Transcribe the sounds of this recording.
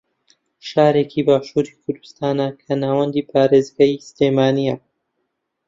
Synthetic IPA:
ʃaːɾeːkʰibaːʃuːɾikʰʊɾd̪ɨ̥st̪aːnɐkʰɐnaːwɐnd̪iːpʰaːɾeːzɡajsleːmaːnijɐ

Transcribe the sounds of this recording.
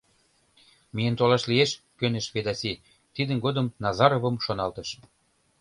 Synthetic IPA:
mijənt̪olɑʃlieʃ | køneʃβed̪ɑsi | t̪id̪ə̆nɡod̪əmnɑzɑɾovəmʃonɑlt̪ə̆ʃ

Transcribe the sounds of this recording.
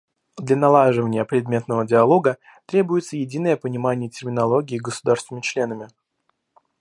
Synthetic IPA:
d̪lʲanɐlˠaʐɨvənʲɪjəpɾʲɪd̪mʲe̞t̪nəvədʲɪɐlˠo̞ɡə | t̪ɾʲebʊjɪt̪səjɪdʲinəjəpənʲɪmanʲɪjətʲɪrmʲɪnɐlˠo̞ɡʲɪːɡəsʊd̪arsvnmʲɪt͡ɕlʲe̞nəmʲɪ

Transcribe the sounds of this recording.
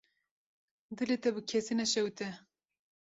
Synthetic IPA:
d̪ɨlet̪ɛbɨkʲʰɛsinɛʃɛwt̪ɛ

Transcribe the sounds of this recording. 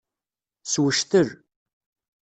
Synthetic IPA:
swəʃθər

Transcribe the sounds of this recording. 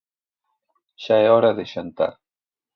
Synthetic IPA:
ʃaɛɔɾɐðɪʃant̪a̰ɾ

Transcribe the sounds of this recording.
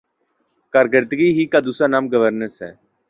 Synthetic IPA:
kaːɾɡəɾt̪əɡiːɦiːkaːd̪uːsaːnaːmɡəʋəɾnəɾsɦɛ̰ː

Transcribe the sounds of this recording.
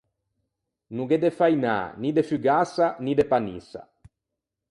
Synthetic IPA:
nuɡed̪efajna̰ːnid̪efyɡasanid̪epanḭsa̰

